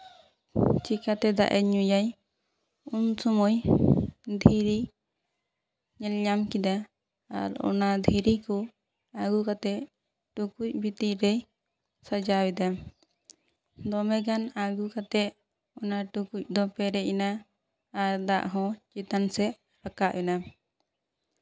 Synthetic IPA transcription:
t͡ʃikat̪ɛd̪a̰ʔɛɲujaj | unsɔmɔj | d̪ʱiɾi | ɲɛlɲamkid̪a | a̰ɾɔ̰nad̪ʱiɾiku | aɡukat̪ɛʔ | ʈukuc̚bʱit̪iɾɛj | sad͡ʒawid̪a | d̪ɔmɛɡanaɡukat̪ɛʔ | ɔnaʈukuc̚ˀd̪ɔpɛɾɛʔinaː | ɾd̪aʔɦɔ̃t͡ʃit̪ansɛʔ | ɾakaʔʔɛna

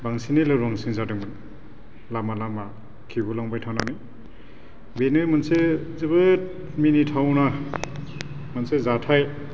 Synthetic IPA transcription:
baŋsinilɯɾɔŋsiŋzadɯŋbɯn | lamalama | kʰiɡulaŋbajtʰawnani | benɯmɯnsezebɯt̚ | minitʰawna | mɯnsezatʰaj

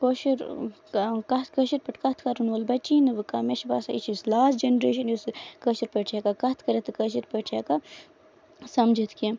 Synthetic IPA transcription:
koʃiɾ | kɐt̪kəʃiɾpɐʈʲkɐt̪ʰkɐɾunʋɐlbɐt͡ʃiːnɨʋɨkɐmeʃbaːsait͡ʃʰislaːsd͡ʒenɾeːʃɐnjusɨkəʃiɾpət͡ʃʰekakɐt̪ʰkɐɾet̪ɨkəʃ̬iɾpət͡ʃʰeka | sɐmd͡ʒit̪ʰke

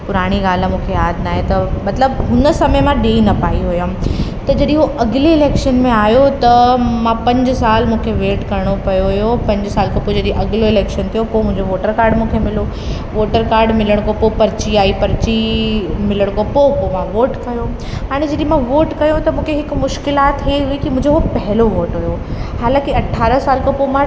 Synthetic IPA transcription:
pʊɾaːɽ̃iɡaːlmũːkʰejaːd̪ʱnaːɦẽt̪ɐmɐt̪ləbɦʊnsɐmejmãɗeːinɐpaːiɦʊjãt̪ɐd͡ʑɐɗĩɦoʔɐɡleɪleːkʃənmẽaːjot̪ɐmãpɐ̃ɲd͡ʑsaːlmũːkʰeʋeːʈkɐɾɽ̃opɐjoɦʊjopɐ̃ɲd͡ʑsaːlkʰãpoːd͡ʑɐɗĩʔɐɠloɪleːkʃənt̪ʰijopomʊ̃ɦɪ̃ɲd͡ʑoʋoːʈəɾkaːɾɖmũːkʰemɪlo | ʋoːʈəɾkaːɾɖmɪləɽ̃kopopɐɾt͡ɕiaːipɐɾt͡ɕimɪləɽ̃kopopomãʋoːʈkɐjo | ɦaːɽ̃ed͡ʑɐɗĩmãʋoːʈkɐjõt̪ɐmũːkʰeɦɪkmʊʃkɪlaːt̪ɦeɦʊikimʊ̃ɪ̃ɲd͡ʑoɦopɐɦɪloʋoːʈɦʊjohaːlãːkiɐʈʰːaːɾəsaːlkɐpomã

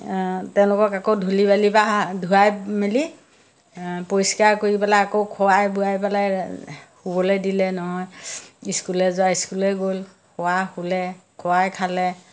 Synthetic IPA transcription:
tɛʊ̃lʊkɔkakodʱulibalibadʱuɹajmili | poɹiskaɹkoɹipalajakowkʰɔwajbuajpalajhubɔlɛdilɛnɔɦɔjiskulɛzʊaiskulɛɡolkʰɔwahulɛkʰɔwajkʰalɛ

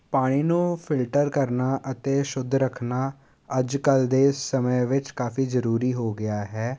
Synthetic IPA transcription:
paːɽ̃iːnũːpʰɪlʈəɾkəɾnaːʔət̪eːʃʊd̪ʱɾəkʰnaː | əd͡ʒkəld̪eːsəməʋɪt͡ʃkaːfiːzəɾuːɾiːɦoːɡɪaːɦɛː

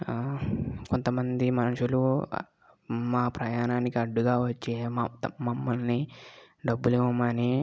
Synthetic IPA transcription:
ko̞nt̪ɐmɐnd̪imɐnuʃulu | maːpɾɐjaːnaːnikiɐɖːuɡaːʋɐt͡ʃːemɐmːɐlni | ɖɐbːuliʋɐmɐni

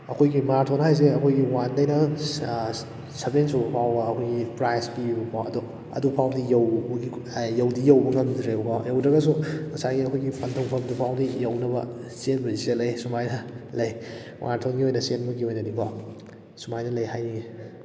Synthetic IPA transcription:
ɐkʰojɡimaɾtʰonhajs̬iɐkʰojɡiwandɐjnɐ | sɐbensobɐpʰawbɐːkʰojɡipɾajspibibɐpʰawɐ̰do | ɐ̰dupʰawdijɐwɡijɐwdijɐwbɐŋɐmdɾebukʰɔjɐwdɾɐɡɐsumɐsaɡiɐkʰojɡipʰɐntʰuŋpʰɐmdupʰawdijɐwnɐbɐsenbɐzisɐlɐjsumajnɐlɐj | wʔantʰonɡiojnɐsenbɐɡiojnɐdikʰɔ | sumajnɐlɐjhajni

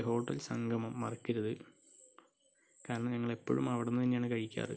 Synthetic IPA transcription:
ɦo̞ːʈːɐ̰lsɐŋɡʱɐmɐmːɐrɐkːiɾɐðɨ | kaːɾɐɳɐmɲɐŋːɐɭe̞pːo̰ːɻumɐʋiɽunːɨinɲaːɳɨkɐɻikʲːa̰ːrɨ̰

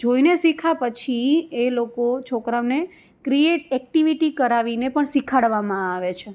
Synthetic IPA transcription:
d͡ʒoinesikʰapət͡ʃʰielokot͡ʃʰokɾamne | kɾieʈɛk̚ʈiʋiʈikəɾaʋinepəɳsikʰaɽʋamãaʋet͡ʃʰe

